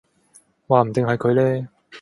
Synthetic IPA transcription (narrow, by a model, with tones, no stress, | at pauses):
waː˨m̩˨˩t̪ɪ˨ŋɦɐ˨˧jkʰɵ˨˧ɥlɛː˥